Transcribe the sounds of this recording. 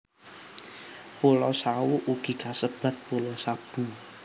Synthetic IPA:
pulɔsawuʔuɡ̥i̤kasəb̥a̤t̪̚pulɔsab̥u

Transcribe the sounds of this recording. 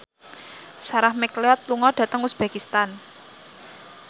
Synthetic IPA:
saɾahmɛkleɔt̪̚luŋɔɖ̥ä̤t̪əŋʊsb̥ä̤kist̪an

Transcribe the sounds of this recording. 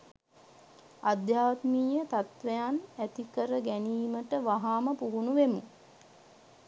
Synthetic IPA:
ad̪jaːt̪miːjət̪at̪ʋejanæt̪ikəɾəɡæniːməʈəʋaɦaːməpuɦunuʋemu

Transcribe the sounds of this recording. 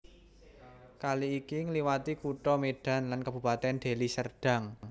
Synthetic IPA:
kaliːkiŋəliwat̪ikuʈɔmeɖ̥a̤nlankab̥ṳpat̪ɛnɖ̪̥e̤lisərɖ̥a̤ŋ

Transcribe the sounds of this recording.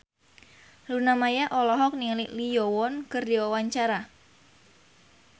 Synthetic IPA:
lunamajaʔɔlɔɦɔk̚niliʔlijɔwɔnkɨrdiwawaɲt͡ʃaɾa

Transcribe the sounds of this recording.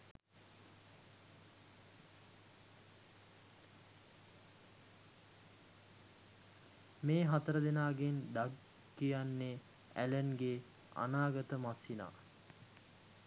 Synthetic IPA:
meːɦat̪əɾəd̪enaːɡend̪aɡ | ijanːe | æ̰lənɡe | a̰naːɡət̪əmasina̰

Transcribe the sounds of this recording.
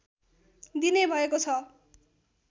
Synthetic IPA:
d̪inebʱʌekot͡sʰʌ

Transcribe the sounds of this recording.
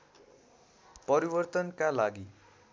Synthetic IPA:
pʌɾibʌrt̪ʌnkalaɡi

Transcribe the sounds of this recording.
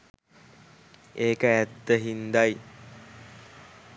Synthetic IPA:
eːkəæd̪ːəɦind̪aj

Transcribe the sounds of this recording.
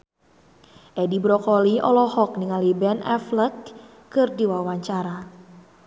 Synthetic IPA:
ʔɛdibɾɔkɔliʔɔ̰lɔhɔk̚niŋalibɛnɛ̰flək | kɨrdiwawaɲt͡ʃaɾa

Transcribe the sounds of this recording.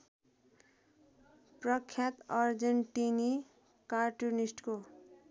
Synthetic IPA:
prʌkʰːjat̪ʌrd͡zeɳʈini | karʈunisʈko

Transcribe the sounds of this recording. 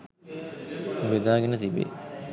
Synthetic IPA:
ʋed̪aːɡenət̪ibḛ

